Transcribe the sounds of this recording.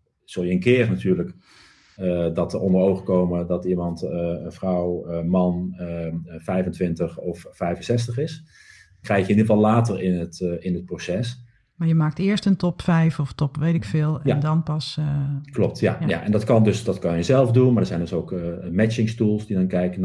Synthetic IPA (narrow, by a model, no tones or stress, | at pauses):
z̥olˠjəənkɪːrnatyːɹlək | ədɔtərɔndərowχəkowmədɔtimɑntəənfrɔwəmɑnəfɛjvəntʋɪntəχɔfːɛjvənsɛs̬təχɪs | krɛjkjəɪndidəvɑlˠlaːtərɪnətɪnət̚prosɛs | maːɹjəmaːk̚tɪːɹstəntɔpfɛjfɔftɔpʋejtɪkfɪːlˠɛjandɑnpɑsklɔp̚tja̰ja̰ʔɛ̰ndɔtkɑndøsdɑtkɑnjjəzɛlˠfdunmadəzɛjndɵsowkmɛt͡ʃɪŋstulˠsdidɑnkɛjkən